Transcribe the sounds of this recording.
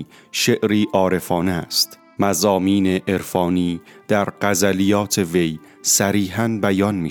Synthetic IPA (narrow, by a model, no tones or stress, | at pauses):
ʃeʔɾiːʔɒːɾe̞fɒːneæst̪ | mæzɒːmiːneʔeɾfɒːniːd̪̥æɾɢæzælijɒːt̪ʰe̞ve̞j | sæɾiːɦænbæjɒːnmiː